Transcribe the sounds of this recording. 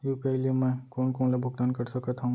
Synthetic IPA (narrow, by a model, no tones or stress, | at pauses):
jupɛɦliemɛ̃koːnkoːnlebʱʊɡ̚t̪ankəɾsəkət̪ɦaũ